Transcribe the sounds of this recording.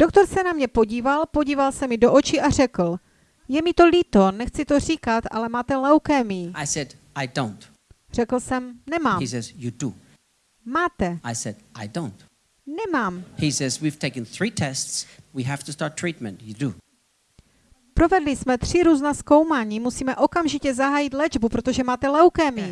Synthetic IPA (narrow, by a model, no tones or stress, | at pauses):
d̥ok̚t̪o̞ɾsɛnamɲɛpo̞ɟiːvalpo̞ɟiːvalsɛmɪdo̞ʔot͡ʃɪʔar̝ɛkl̩ | jɛmɪt̪o̞liːt̪o̞nɛxt͡sɪt̪o̞r̝iːkat̪ʔa̰lɛmaːt̪ɛlawkɛmiaɪsɛd | aɪdõʊ̃nt | r̥ɛkl̩sɛmnɛmaːmisɛzjudu | maːt̪ɛaɪsɛdaɪdõʊ̃nt | nɛmaːmhisɛzwiv̥tʰeɪkə̃nθɹitʰɛstswiɦæftustɑɹtʰɹ̥it̚mɛ̰̃ntjɨdu | pɾo̞vɛdlɪsmɛt̪r̝̥ɪɾuːznasko̞wmaːɲiːmusiːmɛʔo̞kamʒɪcɛzaɦaːjɪt̪lɛd͡ʒbupɾot̪oʒɛmaːt̪ɛlɛwkɛmi